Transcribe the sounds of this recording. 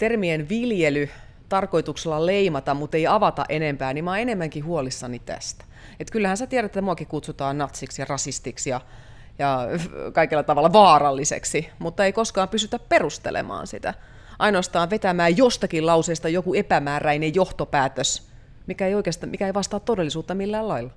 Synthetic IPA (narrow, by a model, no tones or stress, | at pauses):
t̪ermienʋiljely | t̪ɑrko̞it̪ukselːɑleimɑt̪ɑmmut̪ːeiɑʋɑt̪ɑ̰ʔenempæːnimɑːenemːæŋkihuolisːɑnit̪æ̰st̪æ̥ | et̪kylːæhænset̪iæɾætet̪muɑkikut̪sut̪ɑːnnɑt̪siksjɑrɑsist̪iksjɑ | jɑkɑikelːɑt̪ɑʋɑlːɑʋɑːrɑlːisḛksimut̪ːɑeikoskɑːmpysyt̪æpperust̪ḛlḛmɑ̰ːnsḭt̪æ̰ | ʔɑinoɑst̪ɑːʋʋet̪æmæːjost̪ɑkilɑuseːst̪ɑjokuepæmæːræinejjoht̪opæːt̪øs | mikæeijoikest̪mikæeiʋɑst̪ɑːt̪todelːisuːt̪ːɑmilːæːlɑilːɑ